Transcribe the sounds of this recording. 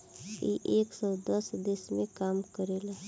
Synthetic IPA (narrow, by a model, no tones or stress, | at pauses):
ḭʔeːksɔːd̪əsd̪esmẽkaːmkəɾeːla